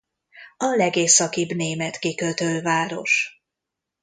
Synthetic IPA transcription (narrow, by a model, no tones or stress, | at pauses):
ɒlɛɡeːsːɒkibneːmɛt̪kikøt̪ølvaːɾo̞ʃ